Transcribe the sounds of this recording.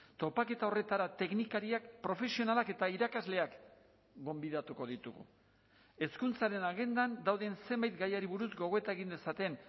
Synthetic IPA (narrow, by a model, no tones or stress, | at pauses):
t̪o̞pake̞t̪ao̞re̞t̪aɾat̪e̞knikaɾiakpɾo̞fe̞sio̞nalake̞t̪aiɾakazle̞ak | ɡo̞mbiðat̪uko̞ðit̪ṵɣṵ | e̞skunt͡saɾe̞naɣe̞nd̪and̪awðe̞nse̞mbajt̪ɡajaɾiβuɾuzɡo̞ɣ̞o̞e̞t̪ae̞ɣind̪e̞sat̪e̞n